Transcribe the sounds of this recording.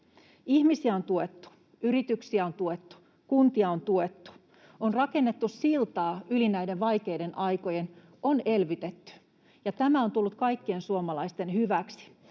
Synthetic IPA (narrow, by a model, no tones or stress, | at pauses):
ihmisiæo̞nt̪uet̪ːu̥ | yɾit̪yksiæo̞nt̪uet̪ːu̥ | kunt̪iɑo̞nt̪uet̪ːu̥ | onrɑke̞nːe̞t̪ːussilt̪ɑːʔylinæjde̞ʋʋɑjke̞jde̞nʔɑjko̞jen | one̞lʋyt̪et̪ːy̥ | jɑt̪æmæo̞nt̪ulːut̪kɑjkːie̞nsuomɑlɑist̪e̞nhyʋæksi̥